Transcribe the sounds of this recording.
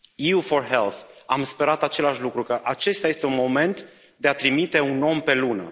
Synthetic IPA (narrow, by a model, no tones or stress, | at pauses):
jiufo̞rɦe̞lθamspe̞ɾat̪at͡ʃe̞laʃlukɾukəʔat͡ʃe̞st̪aje̞st̪e̞unmo̞me̞nt̪ | d̪e̞at̪ɾimit̪e̞uno̞mpe̞lunə̰